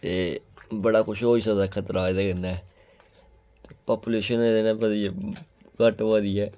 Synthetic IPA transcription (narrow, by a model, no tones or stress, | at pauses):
t̪eːbəɽaːkʊʃɦoːiːsaːd̪aːkʰət̪ɾaːɪd̪aːɡɪnːaɛ | t̪eːpaːpuleːʃəneːd̪enãːʋəd̪i | kəʈʋəd̪iːɛː